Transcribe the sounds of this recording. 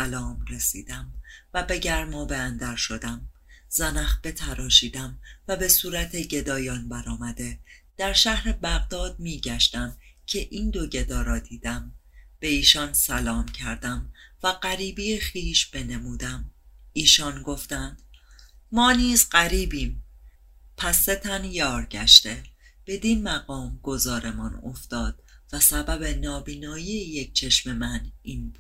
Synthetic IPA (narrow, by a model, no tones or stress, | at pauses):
ælɒːmɾe̞sḭːd̪̥æmvæbe̞ɟæɾmɒːbeænd̪æɾʃo̞d̪æmzænæxb̥e̞t̪ʰæɾɒːʃiːd̪æmvæbe̞suːɾæt̪ʰeɟe̞d̪ɒːjɒːnbæɾɒːmæd̪e̞d̪̥æɾʃæhɾe̞bæɣd̪ɒːd̪̥̚miːɟæʃt̪æmcʰe̞ʔiːnd̪o̞ɟe̞d̪ɒːɾɒːd̪iːd̪̥æmb̥e̞iːʃɒnsælɒːmcʰæɾd̪æmvæɢæɾiːbijexiːʃb̥e̞ne̞muːd̪æmiːʃɒnɡo̞ft̪ænd̪̥mɒːniːzɢæɾiːbiːm | pʰæsːe̞t̪ʰænjɒːɾɟæʃt̪e̞ | b̥e̞d̪iːnmæɣɒːmɡ̥o̞zɒːɾe̞mɒno̞̰ft̪ɒːd̪̥væsæbæbe̞nɒːbiːnɒːjieje̞c̚t͡ʃʰe̞ʃme̞mæniːnbu̥